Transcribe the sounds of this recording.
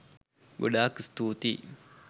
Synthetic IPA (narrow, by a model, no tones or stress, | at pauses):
ɡoɖaːkst̪uːt̪i